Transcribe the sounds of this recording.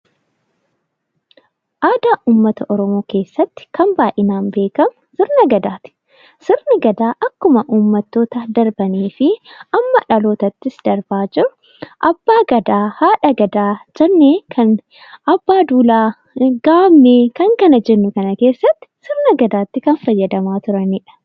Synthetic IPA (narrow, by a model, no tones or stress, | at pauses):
ʔaːd̪aːʔuːmːɐt̪ɐʔɔɾɔmo̞ːke̞ːsːɐt̪ːɪ̥kɐmbaːʔɪnaːnbe̞ːkɐmʊsɪɾnɐɡɐd̪aːt̪ɪ̥ | sɪɾnɪɡɐd̪aːʔɐkːʊmɐʔuːmːɐt̪ːo̞ːt̪ɐd̪ɐɾbɐneːfɪɐmːɐᶑɐlo̞ːt̪ɐt̪ːɪsd̪ɐɾbaːd͡ʒɪɾʊ̥ | ʔɐbːaːɡɐd̪aːhaːᶑɐɡɐd̪aːd͡ʒɐnːeːkʰɐn | ʔɐbːaːd̪uːlaː | ɡaːbneːkɐŋkɐnɐd͡ʒɛnːʊkɐnɐke̞ːsːɐt̪ːɪ̥sɪɾnɐɡɐd̪aːt̪ːɪkɐnfɐjːɐd̪ɐmaːt̪ʊɾɐniːᶑɐ̥